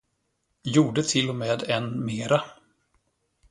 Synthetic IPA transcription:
juːɖət̪ʰɪlːɔmɛːd̪ɛnmeːɾa

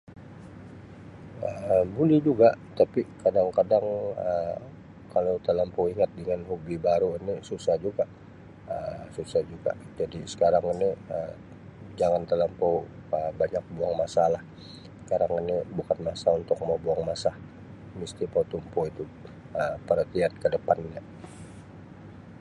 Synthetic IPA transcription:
əbulɪhd͡ʒuɡat̪apikadaŋkadaŋə | kalot̪əlampoiŋat̪̚dəŋanhubibaɾuinisusahd͡ʒuɡaʔ | əsusahd͡ʒuɡa̰d͡ʒadisə̥kaɾaŋiniə | d͡ʒaŋant̪əlampowəbaɲak̚buaŋmasalah | ə̥kaɾaŋinibukanmasaunt̪ʊk̚mabuaŋmasah | mist̪ipawt̪umpoit̪u | əpəɾət̪iankədəpanɲa

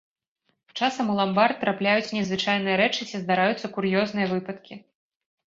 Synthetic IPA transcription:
t͡ʂasɐmulˠambart̪̚t̪ːɾaplʲajut͡sʲnʲɛzvɨt͡ʂajnɨjɐɾɛt͡ʂɨt͡sʲizd̪aɾajut̪sːɐkuɾjɔznɨjɐvɨpɐt̪kʲi

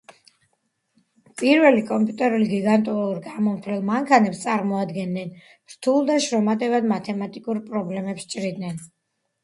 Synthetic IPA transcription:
pʼiɾvɛlikʼɔmpʼjut̪ʼɛɾuliɡiɡant̪ʼualuɾɡamɔmt̪ʰlɛlˠmaŋkʰanɛpst̪sʼaɾmɔad̪ɡɛnːɛn | ɾ̥t̪ʰulˠd̪aʃɾɔmat̪ʼɛvad̪mat̪ʰɛmat̪ʼikʼuɾpʼɾɔblɛmɛpst͡ʃʼɾid̪nɛn

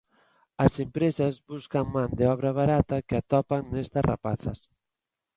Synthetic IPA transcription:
ɐsempɾesɐzβuskaŋmãnd̪ɪɔβɾɐβ̞aɾat̪ɐkɪat̪ɔpaŋnest̪ɐsra̰pa̰θɐ̰s

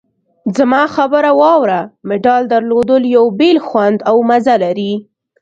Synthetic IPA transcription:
zamɑxabəɾawɑwɾamɪɖɑld̪aɾlod̪əljawbelxwand̪awmazalaɾi

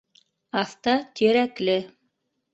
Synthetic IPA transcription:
ɑθt̪ɑt̪ʰiɾæklɘ

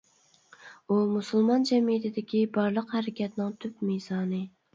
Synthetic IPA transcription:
umusɨlˠmɑnd͡ʒɛmijit̪ʰɪd̪ɪkʲibɑɾlˠəqhæɾɪkʲʰɛt̪nɪŋt̪ʰypmezɑːnɨ

